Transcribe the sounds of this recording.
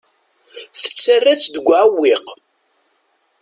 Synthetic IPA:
θə̥t͡sːərːæt͡sːd̪əɡʷːʕwːiq

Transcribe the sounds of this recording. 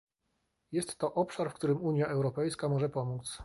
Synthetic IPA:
jɛst̪ːɔʔɔpʂaɾfkt̪uɾɘmuɲjaʔɛwɾɔpɛjskamɔʐɛpɔmut̪s

